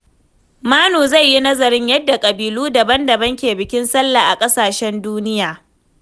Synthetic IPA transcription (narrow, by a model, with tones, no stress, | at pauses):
maː˦noː˨za˦˨jːi˦nɐ˦zɐ˨ɾɪ˦ɲjɐ˦dːa˨kʼɐ˨biː˨luː˦dɐ˨bɐ˦ndɐ˨bɐ˦ŋkʲeː˨bɪ˨kʲɪ˦nsɐ˦lːaː˨ʔa˨kʼɐ˦saː˨ʃɛ˦nduː˦nɪ˦jaː˨